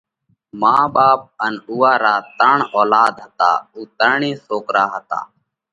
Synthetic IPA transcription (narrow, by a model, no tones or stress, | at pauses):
mãːɓaːp̚ənuːaːɾaːt̪əɳɔːlaːd̪ɦət̪a̰ːuːt̪əɾɳĩːsoːkɾaːɦət̪a̰ː